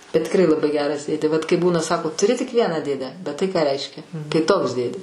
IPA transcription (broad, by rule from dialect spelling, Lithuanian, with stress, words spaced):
tʲɪkˈrɐɪ lˠɐˈbɐɪ ˈɡʲæːrɐs ˈdʲeːdʲeː ʋɐt kɐɪ ˈbuːnɐ ˈsɑːkoː tʊˈrʲɪ tʲɪk ˈʋʲiɛnɑː ˈdʲeːdʲæː bʲɛt ˈtɐɪ kɑː ˈrʲɛɪʃʲkʲɛ tɐɪ ˈtoːks ˈdʲeːdʲeː